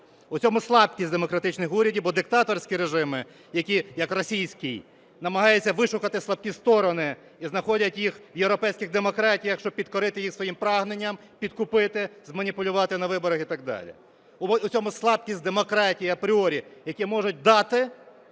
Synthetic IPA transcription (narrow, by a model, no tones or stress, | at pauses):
ʊt͡sʲɔmʊslˠɑb̚kʲisʲd̪emɔkɾɐt̪ɪt͡ʃnɪxuɾʲɐdʲibɔd̪ɪk̚t̪ɑt̪ɔrsʲkʲiɾeʒɪmɪ | jɐkʲijɐkrɔsʲijsʲkʲij | nɐmɐɦɑjɛt͡sʲːɐʋɪʃʊkɐt̪ɪslˠɐb̚kʲist̪ɔɾɔnɪ | iznɐxɔdʲɐtʲjixwjewɾɔpɛjsʲkʲɪɣd̪emɔkɾɑtʲijɐxʃt͡ʃɔb̚pʲid̪kɔɾɪt̪ɪjixsʋɔjimpɾɑɦnenʲːɐm | pʲid̪kʊpɪt̪ɪzmɐnʲipʊlʲʊʋɑt̪ɪnɐʋɪbɔɾɐxit̪ɑɡ̚d̪ɑ̰lʲḭ | ʊt͡sʲsʲɔmʊslˠɑb̚kʲisʲtʲd̪emɔkɾɑtʲijiɐpɾʲɪɔɾʲijɐkʲimɔʒʊt̚ʲd̪ɑt̪ɪ